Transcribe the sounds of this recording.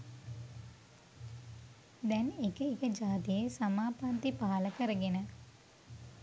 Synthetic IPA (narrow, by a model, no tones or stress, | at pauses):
d̪ɛnekəekəd͡ʒaːt̪ijesamaːpant̪ipaːaləkəɾəɡenə